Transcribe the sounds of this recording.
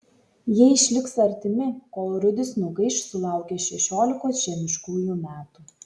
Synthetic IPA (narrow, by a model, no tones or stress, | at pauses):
jiɛɪʃʲlʲɪksɐɾʲt̪ʲɪmʲɪkoːlˠɾʊd̪ʲɪsnʊɡɐɪʃsʊlˠɑˑʊkʲɛʃʲɛʃʲoːlʲɪkoːsʒʲɛmʲɪʃkuːjuːmʲæːt̪uː